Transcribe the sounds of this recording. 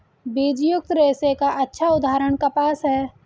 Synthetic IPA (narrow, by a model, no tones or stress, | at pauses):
bid͡ʒjʊk̚t̪ɾeːsekaʔɐtːʃʰaʊd̪ʱaːɾəɽ̃kapaːsɦɛː